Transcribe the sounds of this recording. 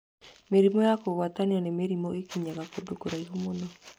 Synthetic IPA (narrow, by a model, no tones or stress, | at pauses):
meɾimɔjakoβataniɔnemeɾimɔekiɲaɣakodokoɾaiɦomonɔ